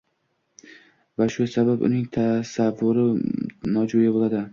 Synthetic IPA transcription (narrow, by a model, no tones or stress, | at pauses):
vaʃʊsabapʊ̰nɪŋt̪ʰasavːʊɾɪnɒd͡ʒojabolˠad̪ɪ